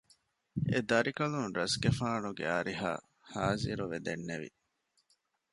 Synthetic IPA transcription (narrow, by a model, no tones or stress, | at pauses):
ḛd̪ɐɾikɐlunɾɐsɡefaːnuɡḛaɾiɦa̰ː | haːziɾuʋed̪enːeʋḭ